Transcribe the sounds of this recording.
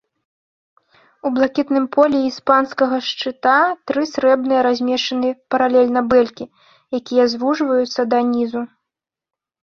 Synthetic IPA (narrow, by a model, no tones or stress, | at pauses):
ublˠakʲit̪nɨmpʰɔlʲɛispanskɐɣɐʂt͡ʂɨt̪at̪ɾɨsɾɛbnɨjɐɾazʲmʲɛʂt͡ʂɐnɨpɐɾalʲɛlʲnɐbɛlʲkʲi | jakʲijɐzvuʐvɐjut̪sːɐd̪ɐnʲizu